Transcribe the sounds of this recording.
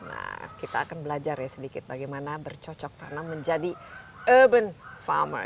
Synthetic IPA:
na̰kit̪aːkanbəlad͡ʒarjasədikɪt̪̚baɡajmanabərt͡ʃɔt͡ʃɔk̚t̪anaməɲd͡ʒadi | əbənfa̰mə̰r

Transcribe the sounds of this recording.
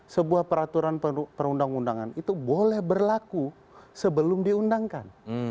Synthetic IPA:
səbuahpəɾat̪uɾanpəɾundaŋundaŋa̰nit̪ubolɛhbərlaku | səbəlʊmdiundaŋkan

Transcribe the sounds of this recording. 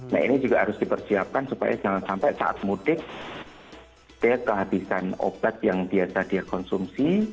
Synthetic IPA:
na̰ḭnid͡ʒuɡaɦaɾʊsd̥ipərsiap̚kansupa̰ja̰sənaŋat̪sampɛʔsa̰ʔa̰t̪̚mudɪk̚ | d̥kəɦabisano̰b̥at̪̚jaŋbiasad̥iarkɔnsumsi

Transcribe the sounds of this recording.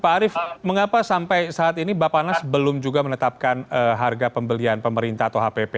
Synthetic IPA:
paaɾɪfməŋapasampajsaat̪inibapanasbəlʊmd͡ʒuɡamənət̪ap̚kanəɦarɡapəmbəlianpəməɾint̪aat̪awɦapepe

